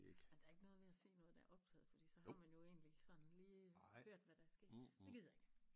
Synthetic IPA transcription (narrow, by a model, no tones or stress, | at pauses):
ɡ̥æd̥ɑ̈æɐe̝ɡ̥ənɔ̽ːð̞̩ˠʋe̝æse̝̰ːnɔ̽ːð̩ˠd̥ɑæɐʔɒ̽b̥̚t͡sʰɛ̰ːð̩ˠfɒ̽d̥ḭːsɒ̽ɦɑ̈mænjo̝e̝̰ːnli̥sɒ̽n̩liːhøɐ̰d̥ʋæɾ̥ɑæɐsɡ̥e̝ɐ̥de̝ɡe̝ð̰ˠjɑe̝ɡ̥